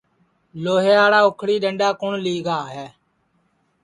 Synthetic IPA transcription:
loːɦeːaːɽaːʊkʰɽiːɗəɳɖaːkʊɳliːɡaːɦɛː

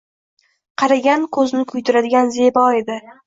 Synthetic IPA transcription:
qʰɑɾaɡʲankʰɵznɪkʰʊjt̪ʰʊɾad̪ɪɡʲanze̞bɒe̞d̪ɪ

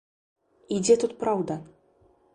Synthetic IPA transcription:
id͡zʲɛt̪ut̪pɾawd̪ɐ

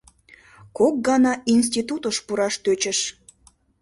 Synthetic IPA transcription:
kok̚ɡɑnɑʔins̬t̪ʲit̪ut̪əʃpuɾɑʃt̪øt͡ɕəʃ

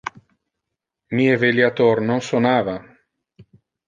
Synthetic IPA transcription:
miːeveljat̪ornonsonaːva

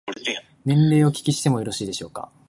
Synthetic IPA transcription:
nẽ̞nɾe̞ːo̞kʲi̥kʲiɕi̥t̪e̞mo̞joɾo̞ɕiːd̪e̞ɕo̞ːka̰

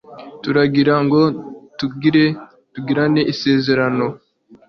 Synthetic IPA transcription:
tuɾaɡiɾaŋɡo̞tuɡiɾe | tuɡiɾaneʔise̞ːze̞ɾano̞

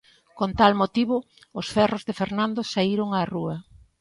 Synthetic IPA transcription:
kont̪almot̪iβʊ | ʊsfɛrozðefeɾnãnd̪osaiɾoŋaruɐ

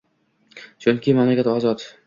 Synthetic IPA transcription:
t͡ʃʰʊnkʲɪmamlakʲat̪ɒːzɒt̪

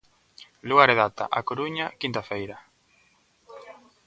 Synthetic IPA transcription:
luɣaɾeðat̪a̰ʔakoɾuɲakint̪afejɾa

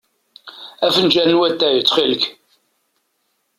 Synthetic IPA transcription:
æfənʒænːwæt̪ːæjət͡sːχilək

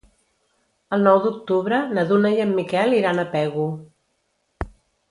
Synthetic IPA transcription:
əlˠnɔwd̪uk̚t̪uβɾənəðunəjəmːikɛlˠiɾanəpɛɣu

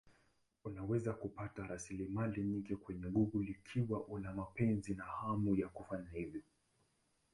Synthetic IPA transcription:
unawɛzakupataɾasilimaliɲiŋkɛkwɛɲɛŋɡuɣulikʰiwaʔunamapɛnzinahamujakufaɲahivjɔ

